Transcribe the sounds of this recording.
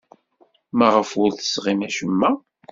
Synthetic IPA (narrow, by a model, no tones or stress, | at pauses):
mæʁəfʊɾθə̥sʁimæʃəmːæ